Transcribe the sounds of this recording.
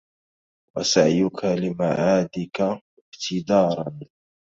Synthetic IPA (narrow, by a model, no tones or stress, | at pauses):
wa̰saʕjʊkʰalɪmaʕaːd̪ɪka | ɪbt̪ʰɪd̪ɑːɾˤɑn